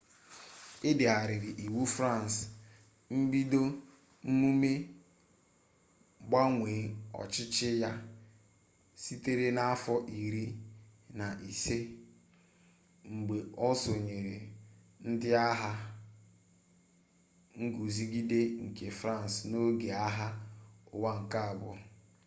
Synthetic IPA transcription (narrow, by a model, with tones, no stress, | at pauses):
e˦de˨a˨ɾɪ˨ɾɪ˨ʔi˨wu˦fɾa˦˨n˨s | m̩˦bi˦do˦ | m̩˦mu˦me˦ | ɡ͡ba˦ŋʷe˨˦ɔ̰˨t͡ʃɪ˦t͡ʃɪ˦ja˦ | si˦te˦ɾe˦na˦a˦fɔ˦ʔi˨ɾi˦na˨ʔi˨se˦ | ŋ͡m̩˨ɡ͡be˨ɔ˦so˨ɲe˨ɾe˨ | n̩˦dɪ˦a˦ɦa˦ | ŋ̩˦ɡu˨zi˦ɡi˦de˦ŋ̩˨ke˨fɾa˦˨n˨sno˦ɡe˨a˦ɦa˦ʊ˨wa˦ŋ̩˨ka˦a˨bʊ̰˦